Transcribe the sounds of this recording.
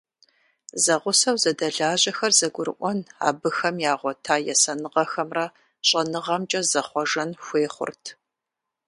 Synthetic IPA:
zɐʁʷʊsɐwzɐdɐɮaːʑɐxɐrzɐɡʷʊɾɨʔʷɔna̰ːbɨxɐmjaːʁʷɔtʰaːjɛsɐnɨʁɐxɐmrɐ | ɕʼɐnɨʁɐmt͡ʃʼɐzɐχʷɔʒɐnxʷeːχʷʊ̰rtʰ

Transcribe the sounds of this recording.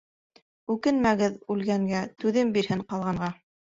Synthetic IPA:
ʉkɘnmæɡɘðʉlɡæŋɡæt̪ʉðɘmbiɾhɘɴqɑlˠʁɑɴʁɑ

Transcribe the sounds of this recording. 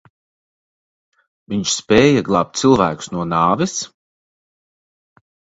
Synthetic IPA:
viɲt͡ʃspʲɛːjaɡlˠaːp̚t̪̚silˠvæ̰ːkʊ̥snuɔnaːvɛs

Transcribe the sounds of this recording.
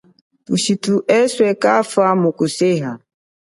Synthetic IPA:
uʃituʔɛswɛkafamukuseɦa

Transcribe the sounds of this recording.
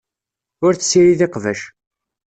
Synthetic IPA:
ʊɾθsːiɾiðɪqvæʃ

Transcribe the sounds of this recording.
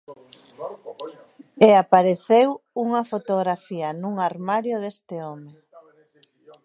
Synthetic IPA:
eapaɾeθewuŋɐfot̪oɣɾafiɐnuŋaɾmaɾjoðest̪ɪome

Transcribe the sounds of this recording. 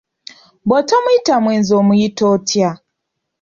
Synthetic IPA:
botomujitamweːnzoːmujitotʰja

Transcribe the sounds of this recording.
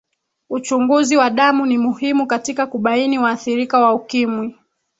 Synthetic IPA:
ut͡ʃuŋɡuziwaɗamunimuhimukatikakuɓainiwaːθiɾikawaukimwi

